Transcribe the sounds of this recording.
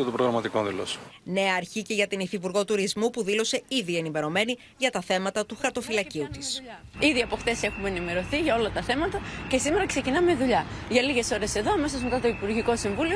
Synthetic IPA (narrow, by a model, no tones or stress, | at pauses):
et̪opɾoɣɾɐmɐt̪ikonðilo̰sne̞ɐːɾçice̞ʝɐt̪inifipuɾɣo̞t̪uɾizmupuðilo̞se̞iðie̞nime̞ɾo̞me̞ni | ʝɐt̪ɐθe̞mɐt̪ɐt̪uxɐɾt̪o̞filɐciut̪isiðiɐpo̞xt̪e̞se̞xumenime̞ɾo̞θiʝɐo̞lɐt̪ɐθe̞mɐt̪ɐce̞simeɾɐkse̞cinɐmeðuʎɐʝɐliʝe̞so̞ɾe̞se̞ðo̞ɐme̞s̬ozme̞t̪ɐt̪o̞ipuɾʝiko̞siɱvulio